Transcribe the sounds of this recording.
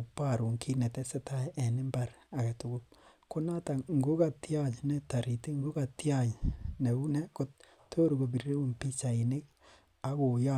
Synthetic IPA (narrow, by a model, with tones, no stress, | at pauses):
pa˦ɾu˨ŋkʰi˦nɛ˨tɛ˦sɛ˦tʰa˦ʔɛ˨nɪ˦mba˦ɾ | a˨ka˨tu˨ku˦p̚ko˦na˦ta˨ŋ˨ɡo˦ka˨tja˦d͡ʒnɛ˨ta˨ɾi˨ti˦ŋɡo˦ka˨tjad͡ʒnɛ˨u˦nɛ˦ko˦t | tʰːo˦ɾɡo˨bi˨ɾe˦u˦mpi˦t͡ʃa˨i˨ne˦k | a˦ko˨ja˦